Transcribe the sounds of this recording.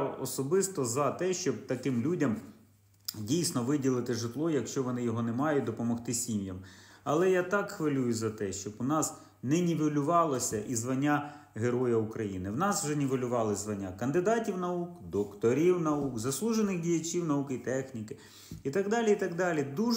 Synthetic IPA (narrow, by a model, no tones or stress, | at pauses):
ɔ̰sɔbɪst̪ɔzɐt̪ɛʃt͡ʃɔb̚t̪ɐkɪmlʲudʲɐm | dʲijsʲnɔʋɪdʲilˠɪt̪ɪʒɪt̪lˠɔjɐkʃt͡ʃɔʋɔnɪjɔɦɔnɛmɑjʊd̪ɔpɔmɔxt̪ɪsʲimʲjɐmɐlˠɛjat̪ɑkxʋɪlʲujʊzɐt̪ɛʃt͡ʃɔbʊnɑs | nɛnʲiʋʲɪlʲʊʋɑlˠɔsʲɐʔizʋɐnʲːa | ɦeɾɔjɐukɾɐjinɪwnɑswʒɛnʲiʋɪlʲʊʋɑlˠɪzʋɐnʲːakɐnd̪ɪd̪ɑtʲiwnɐukd̪ɔkt̪ɔɾʲiwnɐukzɐslˠuʒenɪxdʲijɐt͡ʃʲiwnɐukit̪ɛxnʲikɪ | it̪ɑɡd̪ɑlʲiit̪ɑɡd̪ɑlʲid̪u